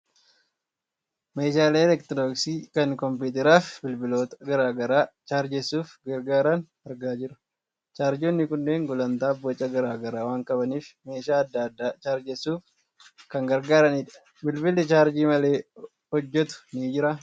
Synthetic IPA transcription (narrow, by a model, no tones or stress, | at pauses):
me̞ːʃaːleːlɛkt̪ɾoːksiːkɐŋkɔmp̬iːt̪ɛɾaːfbɪlbɪlo̞ːt̪ɐ̥ɡɐɾaːɡɐɾaːt͡ʃaːɾd͡ʒɛsuːfɡɐɾɡaːɾɐn | ɐɾɡaːd͡ʒɪɾɐ̥ | t͡ʃaːɾd͡ʒoːnːɪkʊnːeːŋɡʊlɐnt̪aːbːot͡ʃʼːɐɡɐɾaːɡɐɾaːwaːŋkʼɐbɐniːfme̞ːʃaːɐd̪ːɐɐd̪ːaːt͡ʃaːɾd͡ʒɛsuːf | kɐŋɡɐɾɡaːɾɐniːᶑɐ̥ | bɪlbɪlɪt͡ʃaːɾd͡ʒiːmɐle̞ː | hɔd͡ʒːɛt̪ʊ̥niːd͡ʒɪɾɐ